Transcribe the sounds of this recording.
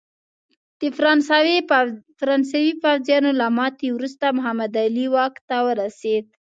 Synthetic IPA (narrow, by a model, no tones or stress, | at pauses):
d̪̥əfɾɑns | fɾɑnsawifawzjɑnolamɑt̪ewɾust̪amʊɦamad̪aliwɑkt̪awəɾased̪̚